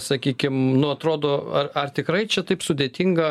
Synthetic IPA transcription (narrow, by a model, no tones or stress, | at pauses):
sɐkʲiːkʲɪmnʊɐt̪ɾoːd̪oːɐrɐrt̪ʲɪkɾɐɪt͡ʃʲɛt̪ɐɪpsʊd̪ʲeːt̪ʲɪŋɡɐ